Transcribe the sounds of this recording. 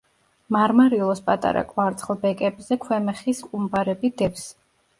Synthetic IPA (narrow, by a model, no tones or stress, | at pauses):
maɾmaɾilˠɔspʼat̪ʼa̰ɾa̰kʼwaɾt̪sʰχlˠbɛkʼɛbzɛkʰwɛmɛχisqʼumbaɾɛbid̪ɛps